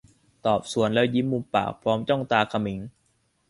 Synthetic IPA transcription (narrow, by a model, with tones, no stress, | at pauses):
t̪ɔː˨˩p̚su˨˩˦ənlɛ˦˧˥wji˦˥mːu˧mpa̰ː˨˩k̚pʰɾɔː˦˥mt͡ɕɔ˥˩ŋt̪aː˧kʰa˧mi˦˥ŋ